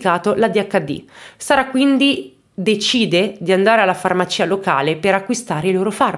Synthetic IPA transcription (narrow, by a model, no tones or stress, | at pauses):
kaːt̪olad̪iakːad̪ːḭsaːɾakwind̪i | d̪et͡ʃiːd̪ed̪iand̪aːɾealːafarmat͡ʃiːaloka̰ːlepeɾakːwist̪aːɾeiloːɾofar